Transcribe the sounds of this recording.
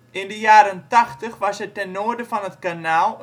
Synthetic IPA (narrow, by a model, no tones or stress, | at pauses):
ʔɪndəjaːɾəntaxtəχʋɑsətɛnːoərdəfɑnɦətkanaːlˠ